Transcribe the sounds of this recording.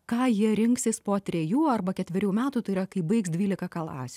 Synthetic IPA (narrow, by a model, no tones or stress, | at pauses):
kɑːjiɛɾʲɪŋksʲɪspoːt̪ʲɾʲɛjuːɐrbɐkʲɛt̪ʲʋʲɪɾʲuːmʲæːt̪uːt̪ɐɪiɾɐkɐɪbɐɪksd̪ʲʋʲiːlʲɪkɐkɐlˠɑ̰ːsʲɪ